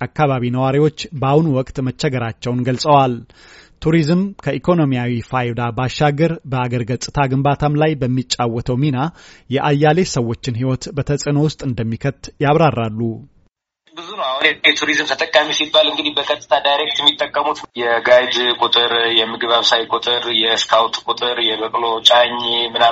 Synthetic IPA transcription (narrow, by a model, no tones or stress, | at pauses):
ʔakːaβaβinəwaɾiwo̞t͡ʃːbawunuwɔkʼt̪mət͡ʃːɛɡəɾat͡ʃːɛwnɡəlsʼəwal | t̪ʰuɾizɨmkʰəʔikʰo̞no̞mijawifajd̪abaʃːaɡəɾbəaɡəɾɡət͡sʼːɨt̪ʰaɡɨmbat̪ʰamlajbəmːit͡ʃʼːawːɔt̪ʰəwminajɛʔajːale̞səwːo̞t͡ʃːɪnɦiwɔt̪bət̪ʰəsʼɨno̞wʊst̪ʼɨnd̪əmːikʰət̪ːjaβɾarːalːu | bɨzunəwahnjɛt̪ʰuɾizɨmt̪ʰət̪ʼəkʼːamisibːalɨŋɡɨd̪ihbəkʰət̪ʼːɨ̥t̪ʰad̪ajɾek̚t̪jɛmːit̪ʼːəkʼːəmut̪jɛɡajd̪kʼʊt̪ʼɨɾjɛmːɨɡɨβaβsajkʼʊt̪ʼɨɾjɛskʰawt̪kʼʊt̪ʼɨɾjɛbəkʼlot͡ʃʼaɲːmɨna